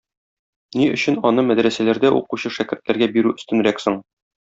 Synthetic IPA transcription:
niɵ̆ɕɘnɒnɤmæd̪ɾæsælæɾd̪æʔṵquɕɤʃækɘ̆ɾt̪læɾɡæbiɾʉɵ̆st̪ɘ̆nɾæksɤɴ

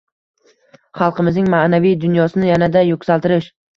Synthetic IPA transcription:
χɑlˠqɨmɪznɪŋmanavijd̪ʊnjɒsɪnɪjanad̪ajokʲsalˠt̪ɪɾɪʃ

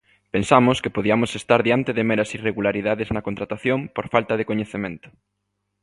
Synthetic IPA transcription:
pensamʊskepoðiɐmosest̪aɾðiant̪eðemeɾɐsireɣulaɾiðaðeznɐkont̪ɾat̪aθjõmpoɾfalt̪ɐðekoɲeθemẽnt̪ʊ̥

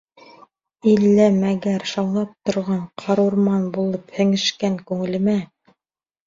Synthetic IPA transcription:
ilːæmæɡæɾʃɑwlˠɑp̚t̪ŏɾʁɑɴqʰɑɾuɾmɑnbulˠɤphɘ̆ŋɘ̆ʃkæŋkʉŋɘ̆lɘ̆mæ

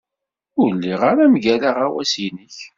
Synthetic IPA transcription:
ʊlːiʁaɾamʝælaʁawæsinəç

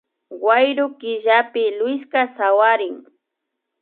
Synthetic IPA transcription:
wajɾʊkɪʒapɪlʊjskasawaɾɪŋ

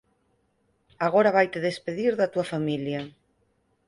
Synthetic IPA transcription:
aɣoɾaβ̞ajt̪eðespeðiɾðɐt̪uɐfamiljɐ

